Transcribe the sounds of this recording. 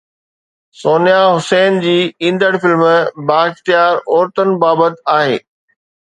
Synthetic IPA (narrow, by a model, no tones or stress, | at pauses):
soːnijaɦʊseːnd͡ʑiːĩːnd̪əɽfɪlmbaːɪxt̪ijaːɾɔːɾt̪ən̆baːbət̪aːɦeː